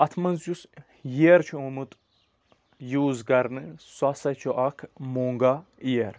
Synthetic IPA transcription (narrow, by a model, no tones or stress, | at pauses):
ɐt̪ʰmɐnzjus | jeːɾt͡ʃʰuumɨt̪ʼ | juːzɡɐɾnɨswasɐt͡ʃʰɔʔɐkʰmoŋɡaijeɾ